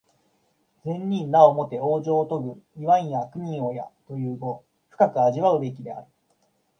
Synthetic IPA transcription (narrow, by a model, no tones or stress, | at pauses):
d͡zẽ̞ɲʲːĩnːaomo̞t̪e̞o̞ːʑo̞ːt̪o̞ɡɯ̟iβãĩjakɯ̟ɲ̟ʲĩo̞ja̰t̪o̞jɯ̟ːɡo̞ | ɸɯ̟̥kakɯ̟aʑiβaɯ̟be̞k̬ʲid̪e̞a̰ɾɯ̟̥